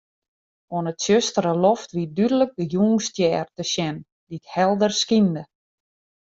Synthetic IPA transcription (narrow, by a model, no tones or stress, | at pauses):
onətsjøstəɾəlɔftʋidydələk̚dəjuːŋstjɛːrtəsjɛn | dithɛlˠdərskində